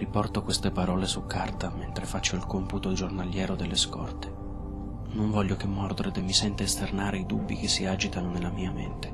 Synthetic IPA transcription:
ripɔrt̪okwest̪epaɾɔːlesukʰːart̪ament̪ɾefat͡ʃːoilkɔmput̪od͡ʒornaljɛːɾod̪elːeskɔ̰rt̪e̥ | noɱvɔʎːok̟emːɔrd̪oɾed̪emːisɛnt̪eːst̪ernaːɾeid̪ṵbːik̟esːiaːd͡ʒit̪anonelːamiːament̪e̥

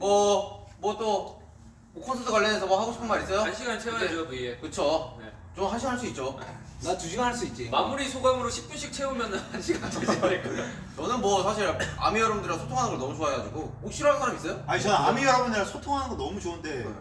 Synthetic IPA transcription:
mʌmwʌt͈o | okʰʌnsʰʌsʰʌkwaɭːʌnesʰʌmwʌhaɡoɕʰi̥pʰɯnmaɾis͈ʌjoɕʰiɡat͡ɕʰeoekɯt͡ɕʰone | t͡ɕomɦanɕʰiŋɦaɭs͈uit̚t͡ɕ͈onatuɕʰiɡanɦaɭs̬͈uit̚t͡ɕ͈imamuɾisʰoɡaŋɯɾoɕʰi̥p̚k͈uɕʰik̚t͡ɕʰe̞umjʌnnanɕʰiɡak | t͡ɕʌnɯnmwʌsʰaɕʰiɾa̰mijʌɾʌmdɯɾasʰotʰoŋanɯnɡʌɭnʌmut͡ɕoaeɡad͡ʑiɡook̚ɕ͈iɾoɦanɡʌɾamis͈ʌjoait͡ɕeamiɡaaɡɯnesʰotʰoŋɦanɯnɡonʌmut͡ɕoɯnde̞

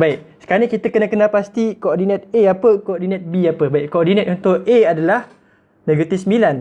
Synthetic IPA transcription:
baɪʔ̚sə̥kanikit̪əkənəkənalpast̪ikoodinə̃t̪̚eapəkoodinə̃t̪̚biapəbaɪʔkːoodinət̪unt̪ʊʔeadalah | neɡit̪isəmbilan

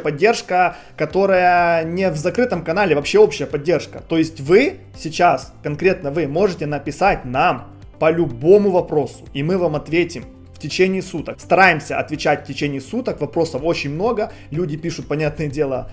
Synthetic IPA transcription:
pɐdʲːe̞rʂkə | kɐt̪o̞ɾəjənʲɪvzɐkɾɨt̪əmkɐnalʲɪvɐpɕeo̞pɕɪjəpɐdʲːe̞rʂkə̰t̪o̞jɪsʲtʲvɨ | sʲɪt͡ɕaskɐnkɾʲe̞t̪nəvɨmo̞ʐɨtʲɪnəpʲɪsatʲnam | pəlʲʊbo̞mʊvɐpɾo̞sʊ̥imɨvamɐt̪vʲetʲɪm | ftʲɪt͡ɕenʲɪːsut̪əkst̪ɐɾajɪmsʲəɐt̪vʲɪt͡ɕætʲftʲɪt͡ɕenʲɪjːsut̪əkvɐpɾo̞səfo̞t͡ɕɪnʲmno̞ɡə | lʲudʲɪpʲiʂʊt̪̚pɐnʲat̪nɨjədʲe̞lˠə̰

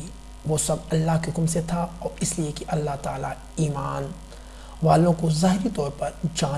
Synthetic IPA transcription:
i | ʋoːsɐbɐlːaɦkeɦʊkmset̪ʰaɔːɾɪsliekiʔɐlːaɦt̪aːla̰ | iːmaːn | ʋaːlõkozaːɦɪɾit̪ɔːɾpɐɾd͡ʒãː

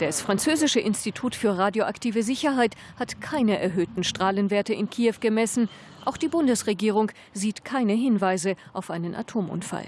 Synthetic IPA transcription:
d̥asfʁ̥ant͡søːzɪʃəʔɪnstitʰuːtfyːɐʁaːdjoʔaktʰiːvəzɪçɐɦaɪt | hatkʰaɪnəʔɛɐɦøːtn̩ʃtʁ̥aːlənveːɐtəɪnkʰiːɛfɡ̥əmɛsn̩ | ʔaʊxd̥iːbʊndəsʁeɡiːʁ̞ʊŋ | ziːtkʰaɪnəɦɪnvaɪzəʔaʊfʔaɪnənʔa̰tʰoːmʔʊ̰nfa̰l

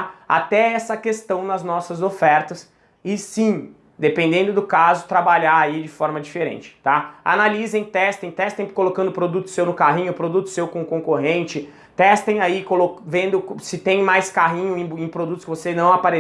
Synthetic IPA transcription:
a̰t̪ɛɛsɐkest̪ɐ̃w̃nɐznɔsɐzofɛɾt̪ɐs | ɪsĩ | d̪epẽnd̪ẽnd̪ʊd̪ʊkazʊt̪ɾabaʎaaid͡ʒɪfɔɾmɐd͡ʒifeɾḛ̃nt͡ʃɪ̥t̪aa̰nalizẽj̃t̪ɛst̪ẽj̃t̪ɛst̪ẽj̃kolokɐ̃nd̪ʊpɾod̪ut̪ʊ̥sewnʊkaɦĩɲʊpɾod̪ut̪ʊ̥sewkõkõkoɦẽnt͡ʃɪ | t̪ɛst̪ẽj̃aikolokvẽnd̪ʊksɪt̪ẽj̃majskaɦĩɲʊẽj̃ẽj̃pɾod̪ut̪ʊskɪvosenɐ̃w̃apaɾe

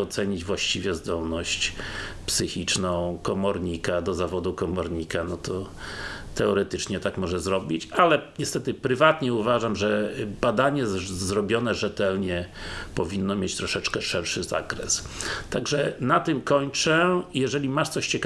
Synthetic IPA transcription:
ɔt̪sɛɲid͡ʑvwaɕt͡ɕivʲjɛzd̪ɔlnɔɕt͡ɕpsɘxʲit͡ʂnɔ̃w̃kɔmɔɾɲikad̪ɔzavɔd̪ukɔmɔɾɲikanɔt̪ɔ | t̪ɛɔɾɛt̪ɘt͡ʂɲɛt̪akmɔʐɛzɾɔbʲit͡ɕalɛɲɛst̪ɛt̪ɘpɾɘvat̪ɲɛuvaʐamʐɛbad̪aɲɛzɾɔbʲjɔnɛʐɛt̪ɛlɲɛpɔvʲinːɔmʲjet͡ɕt̪ɾɔʂɛt͡ʂkɛʂɛɾʂɘza̰kɾɛ̰s | t̪aɡʐɛnat̪ɘmkɔɲt͡ʂɛjɛʐɛlʲimaʂt̪sɔɕt͡ɕɛk

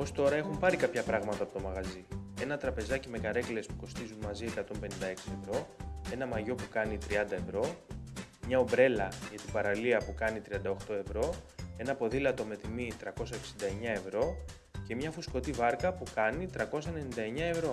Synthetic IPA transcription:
o̞st̪o̞ɾɐe̞xumpɐɾikɐpçɐpɾɐɣmɐt̪ɐːpot̪o̞mɐɣɐzie̞nɐt̪ɾɐpe̞zɐcime̞kɐɾe̞kliespu̥ko̞st̪izunmɐzie̞kɐt̪o̞mpe̞nind̪ɐe̞ksie̞vɾo̞e̞nɐmɐʝo̞pukɐnit̪ɾiɐnd̪ɐe̞vɾo̞ | mɲɐo̞bɾe̞lɐʝɐt̪ibɐɾɐliɐpukɐnit̪ɾiɐnd̪ɐoxt̪o̞e̞vɾo̞e̞nɐpo̞ðilɐt̪o̞me̞t̪imit̪ɾɐko̞sɐeksind̪ɐeɲɐe̞vɾo̞ | ce̞mɲɐfusko̞t̪ivɐɾkɐpukɐnit̪ɾɐko̞sɐenenind̪ɐe̞ɲɐe̞vɾo̞

